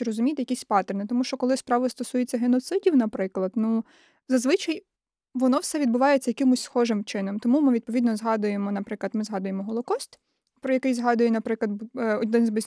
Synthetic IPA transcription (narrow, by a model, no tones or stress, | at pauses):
rɔzʊmʲit̪ejɐkisʲpɑt̪ernɪt̪ɔmuʃt͡ʃɔkɔlˠɪspɾɑʋʊst̪ɔsujet͡sʲːɐɦenɔt̪sɪdʲiwnɐpɾɪklˠɐd̪nu | zɐzʋɪt͡ʃɐj | ʋɔnɔwsɛʋʲid̪bʊʋɑjet͡sʲːɐjɐkɪmʊsʲsxɔʒɪmt͡ʃɪnɔmt̪ɔmumɪʋʲid̪̚pɔʋʲid̪nɔzɦɑd̪ʊjemɔnɐpɾɪklˠɐt̪mɪzɦɑd̪ʊjemɔɦɔlˠɔkɔst̪ | pɾɔjɐkɪjzɦɑd̪ʊjɛnɐpɾɪklˠɐd̪bɔd̪ɪnzʲbɪzʲ